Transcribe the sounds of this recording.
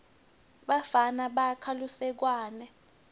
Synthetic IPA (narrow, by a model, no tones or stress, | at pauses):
ɓafanaɓakʰalusɛk̬waːnɛ